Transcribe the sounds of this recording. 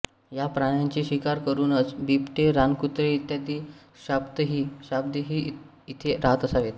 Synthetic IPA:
japɾaɽ̃jaɲt͡ɕiːɕikaɾkəɾuːnət͡sbipʈeɾankut̪ɾeit̪jat̪iː | ɕabd̪əɦiːɕab̚d̪əɦiː | it̪ʰeɾaɦət̪əsaʋet̪

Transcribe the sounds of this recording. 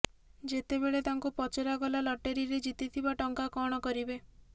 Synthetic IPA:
d͡ʒet̪ebeɭet̪aŋkupɔt͡ʃeɾaɡɔlalɔʈeɾiɾed͡ʒit̪it̪ʰibaʈɔŋkakɔɽ̃ɔkɔɾibe

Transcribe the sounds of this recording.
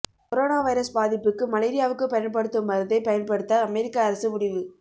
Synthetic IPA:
kɔɾoːnaːʋɐɪɾɐsbaːðɪpːɯkːɯmɐleːɾɪjaːʋɯkːɯpɐjɐnpɐɽɯt̪ːɯmɐɾɯðɐɪpɐjɐnpɐɽɯt̪ːɐːmɛɾɪkːaɐɾɐsɯʊɽɪʋɯ

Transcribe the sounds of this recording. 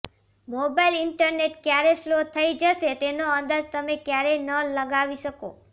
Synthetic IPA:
mobailɪɳʈəɾneʈkjaɾeslot̪ʰəid͡ʒəʃet̪enoənd̪ad͡ʒt̪əmekjaɾenələɡaʋiʃəko̰

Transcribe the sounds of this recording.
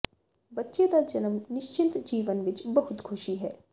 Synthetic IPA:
bɐtːʃed̪ad͡ʒɐnəmnɪʃt͡ʃɪ̃nt̪d͡ʒiːʋənʋɪt͡ʃbɐɦʊt̪kʰʊʃiɦɛ̰ː

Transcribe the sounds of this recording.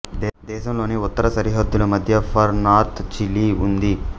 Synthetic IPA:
d̪ɛːʃɐmlo̞ːniut̪ːɐɾɐsɐɾiɦɐd̪ːulumɐd̪ʱjɐpʰɐɾnaːɾt̪ʰt͡ʃilːiund̪i

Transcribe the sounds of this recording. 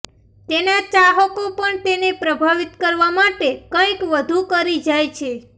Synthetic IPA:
t̪enat͡ʃaɦəkopəɳt̪enepɾəbʱaʋit̪kəɾʋamaʈekə̃kʋəd̪ʱukəɾid͡ʒajt͡ʃʰe

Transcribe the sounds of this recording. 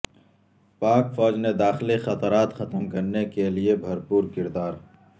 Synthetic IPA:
paːkfɔːd͡ʒned̪aːxlixɐt̪ɾaːt̪xɐt̪əmkɐɾnekeliebʱɐɾpuːɾkɪɾd̪aːɾ

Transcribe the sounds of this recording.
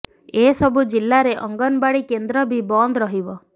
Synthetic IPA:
esɔbud͡ʒilːaɾeʔɔŋɡɔnbaɽikend̪ɾɔbʱibɔnd̪ɾɔɦibɔ

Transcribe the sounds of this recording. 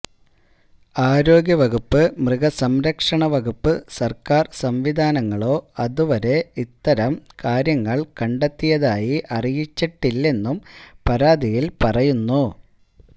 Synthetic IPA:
aːɾo̞ːɡʲjɐʋɐɡupːɨmrɨɡɐsɐmɾɐkʂɐɳɐʋɐɡupːɨsɐrkaːrsɐmʋid̪ʱaːnɐŋːɐɭo̞ːɐðuʋɐɾe̞it̪ːɐɾɐmkaːɾjɐŋːɐɭkɐɳɖet̪ːijɐðaːjiʔɐrijit͡ɕːiʈːilːe̞nːumpɐɾaːd̪ijilpɐrɐjunːu

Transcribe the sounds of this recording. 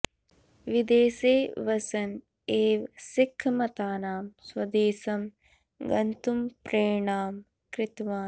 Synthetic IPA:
ʋid̪eːseːʋɐsɐn | eːʋsikʰːmɐt̪aːnaːmswɐd̪eːsɐm | ɡɐnt̪umpɾeːɳaːm | kɾɪt̪ʋaːn

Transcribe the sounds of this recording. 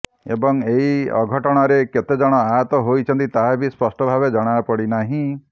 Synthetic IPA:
ḛbɔŋeɦiɔ̰ɡʱɔʈɔɽ̃ɔɾeket̪ed͡ʒɔɽ̃ɔaɦat̪ɔɦojt͡ʃʰɔnt̪it̪aɦabʱispɔsʈɔbʱabed͡ʒɔɽ̃aapɔɽinaɦĩ

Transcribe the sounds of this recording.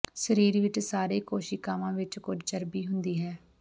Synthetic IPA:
səɾiːɾʋɪt͡ʃsaːɾeːkoːʃiːkaːʋãːʋɪt͡ʃkʊd͡ʒd͡ʒəɾbiːɦʊnd̪iːɦɛː

